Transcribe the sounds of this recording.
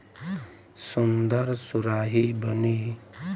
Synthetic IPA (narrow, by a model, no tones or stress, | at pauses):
sund̪əɾsuɾaːɦibəni